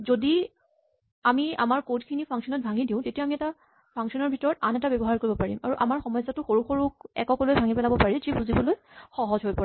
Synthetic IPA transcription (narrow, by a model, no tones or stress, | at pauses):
zodi | amia̰maɹkotkʰinipʰaŋsɔnɔt̚bʱaŋidiʊ̃tetiamiɛta | pʰaŋksɔnɔɹbʱitɔɹɔtanɛtabɛbɔɦaɹkoɹibɔpaɹimaɹuʔamaɹxɔmɔjszatʊxoɹuxoɹukɛ̰kɔkɔlojbʱaŋipɛlabɔpaɹizibuzibɔloj | xɔɦɔzɦojpɔɹ